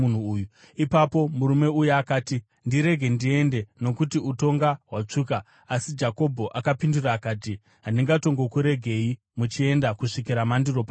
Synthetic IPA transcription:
unuːju | ipapo̞muɾume̞ujuakaːti | ndiɾe̞ɡʱe̞ndie̞nde̞no̞kutiuto̞ŋɡaɦwat͡ʂuːka | asid͡ʒako̞bʱo̞ʔakapinduraːkaːt̬i | ɦandiŋɡato̞ŋɡo̞kuɾe̞ɡʱe̞i | mut͡ʃie̞ndakuʂikiɾamandiro̞pa

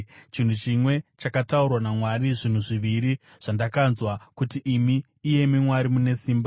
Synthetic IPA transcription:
t͡ʃin̤ut͡ʃimwe̞t͡ʃakataurwanamwaɾiʐin̤uʐiʋiɾi | ʐ̥andakanzwakutiʔːmiː | je̞mimwaɾimune̞siːmba

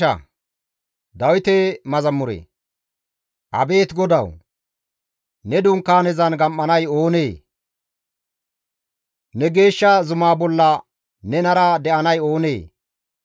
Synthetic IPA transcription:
ɐ̰ | d̪ɐwɪt̪eːmɐzɐmːʊɾḛː | ʔɐ̰be̞ːt̪ɡɔd̪ɐw | nɛd̪ʊŋkːaːnɛzɐnɡɐmʔːɐnɐjo̞ːneː | nɛɡe̞ːʃːɐzʊmaːbɔlːɐ | nɛnɐɾɐd̪ɛʔɐnɐjo̞ːneː

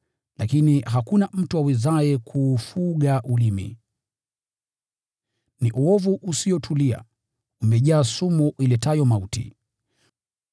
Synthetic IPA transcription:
lakiniɦakunam̩tuwawizaɛkʰuːfuɠaʔulimḭ | niʔuɔvuʔusiɔtʰulia̰ | umɛʄaːsumɔʔilɛtajɔmautḭ

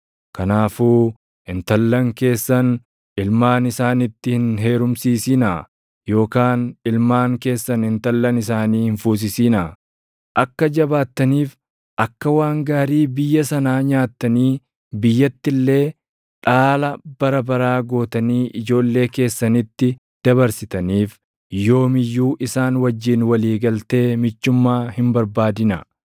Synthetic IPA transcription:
kɐnaːfuː | ɪnt̪ɐlːɐŋke̞ːsːɐn | ɪlmaːnɪsaːnɪt̪ːɪhɪnɦe̞ːɾʊmsiːsiːnɐ | jo̞ːkaːnɪlmaːŋke̞ːsːɐnɪnt̪ɐlːɐnɪsaːniːhɪnfuːs̬ɪsiːnɐ | ʔɐkːɐd͡ʒɐbaːt̪ːɐniːf | ʔɐkːɐwaːŋɡaːɾiːbɪjːɐsɐnaːɲaːt̪ːɐniː | bɪjːɐt̪ːɪlːe̞ː | ᶑaːlɐb̥ɐɾɐbɐɾaːɡo̞ːt̪ɐniːʔɪd͡ʒo̞ːlːe̞ːke̞ːsːɐnɪt̪ːɪ | d̪̥ɐbɐɾsɪt̪ɐniːf | jo̞ːmɪjːuːʔɪsaːnwɐd͡ʒːiːnwɐliːɡɐlt̪e̞ːmɪt͡ʃːʊmːaːhɪmbɐɾbaːd̪ɪnɐ

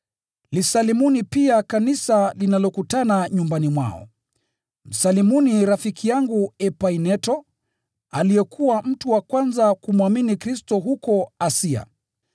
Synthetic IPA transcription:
lisalimunipiakanisalinalɔkutanaɲumbanimwa̰ɔ̰ | m̩salimuniɾafikʰijaŋɡuɛpainɛtɔ | alijɛkuwam̩tuwakwanzakumuaminikɾistɔɦukɔasia̰

